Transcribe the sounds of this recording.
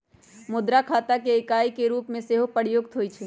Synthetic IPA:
mʊd̪ɾakʰaːt̪akeɪkaːikeɾuːpmẽseɦopəɽjoɡt̪ɦoːit͡ʃʰ

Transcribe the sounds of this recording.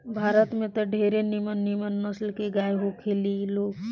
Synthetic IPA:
bʱaːɾət̪mẽt̪ɔɖʱeɾenimənːimənːəslkeɡajɦokʰeliloːɡ

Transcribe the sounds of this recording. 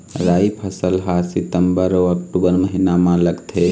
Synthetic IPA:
ɾaipʰəsəlɦasit̪əmbəɾoəkʈubəɾməɦinamãləɡt̪ʰe

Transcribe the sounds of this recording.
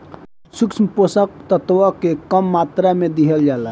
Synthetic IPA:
suksməposək̚t̪ət̪ʋəkekəmːat̪ɾamed̪iɦəld͡ʒala

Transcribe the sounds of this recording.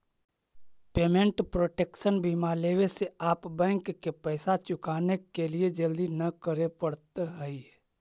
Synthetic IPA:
peːmẽɳʈpɾoːʈeːkʃənbiːmaːleːweseaːpbɛ̃ːŋkːepɛɪsat͡ʃʊkaːnekelied͡ʒəld̪inəkəɾepəɽt̪ɦɛi

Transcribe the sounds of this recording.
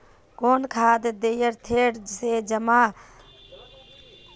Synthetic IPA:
koːnkʰaːd̪d̪eːjəɾt̪ʰeːɽd͡ʒɪseːd͡ʒəmaː

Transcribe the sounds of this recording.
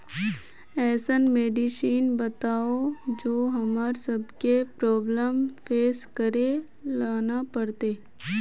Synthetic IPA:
ɛːsənmeːɖiʃiːnbɐt̪aːod͡ʒoːɦɐmaːɾsɐbkepɾɔːbləmfeːskəɾe | laːnapɐɽt̪eː

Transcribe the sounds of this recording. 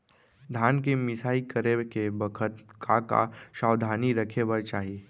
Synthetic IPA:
d̪ʱaːnkemɪsaːikəɾekebəkʰət̪kʰaka̰ʃaːwd̪ʱaːniɾəkʰebəɾt͡ʃaːɦieː

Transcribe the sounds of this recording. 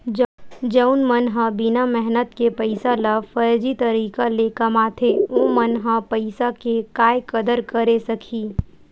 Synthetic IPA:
d͡ʒəʊnmənɦãbɪnamɛɦnət̪kepɐɪsalafɐɾd͡ʒit̪ɐɾiːkalekɐmaːt̪ʰeõmənɦãpɐɪsakekaːjkɐd̪əɾkɐɾesɐkʰiː

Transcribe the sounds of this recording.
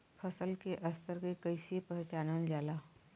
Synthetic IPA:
fʰɐsəlkeʔɐst̪əɾkekɐisepɐɦt͡ʃaːnənd͡ʒaːlaː

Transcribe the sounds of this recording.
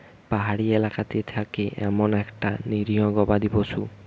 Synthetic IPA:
paɦaɽielakat̪et̪ʰakeʔɛ̰monɛkʈaniɾioɡɔbad̪ibosu

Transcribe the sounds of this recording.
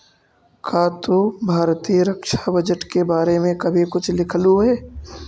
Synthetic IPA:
kʰaːt̪obʱaːɾt̪iːəɾəkʃabɐd͡ʒəʈkebaːɾemẽkɐbʱikʊt͡ʃʰlɪkʰəluɦɛː

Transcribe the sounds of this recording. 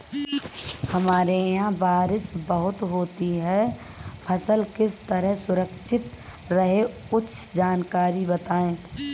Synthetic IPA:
həmaːɾejãbaːɾɪsbəɦʊt̪ɦoːt̪iɦɛ | pʰəsəlkɪst̪əɾəɦsʊɾəkʃʰɪt̪ | ɾəɦekʊt͡ʃʰd͡ʒaːnkaːɾibət̪aːẽː

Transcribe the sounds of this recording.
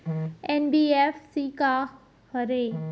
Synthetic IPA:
enbiːefsika | həɾe

